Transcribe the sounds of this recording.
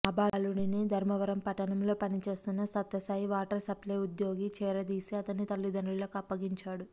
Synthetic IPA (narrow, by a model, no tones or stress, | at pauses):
ɐbaːluɽinid̪ʱɐɾmɐʋɐɾɐmpɐʈːɐnɐmlo̞ːpɐnit͡ʃe̞ːst̪unːɐsɐt̪ːɐsaːjiʋaːʈɐɾsɐple̞ːud̪jo̞ːɡit͡ʃɛːɾɐd̪iːsiɐt̪ɐnːit̪ɐlːid̪ʱɐnulɐkɐpːɐɡiɲt͡ʃaːɽu